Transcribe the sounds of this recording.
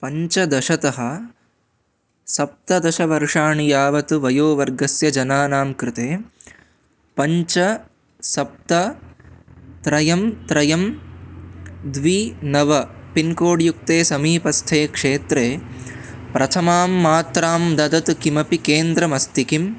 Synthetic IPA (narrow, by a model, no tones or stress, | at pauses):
pɐɲt͡ʃɐd̪ɐʃɐt̪ɐɦɐ | sɐp̚t̪ɐd̪ɐʃɐʋɐɾʂaːɳijaːʋɐt̪uʋɐjoːʋɐɾɡɐsjɐd͡ʒɐnaːnaːmkɾɪt̪eː | pɐɲt͡ʃɐ | sɐp̚t̪ɐ | t̪ɾɐjɐmt̪ɾɐjɐm | d̪ʋinɐʋɐpinkoːɖjuk̚t̪eːsɐmiːpɐst̪ʰeːkʂeːt̪ɾeː | pɾɐt̪ʰɐmaːmːaːt̪ɾaːmd̪ɐd̪ɐt̪ukimɐpikeːnd̪ɾɐmɐst̪ikim